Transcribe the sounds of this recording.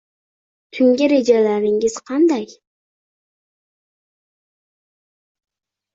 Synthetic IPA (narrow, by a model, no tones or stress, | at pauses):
t̪ʰyŋɡʲɪɾe̞d͡ʒalaɾɪŋɪz̥qʰɑnd̪ɑj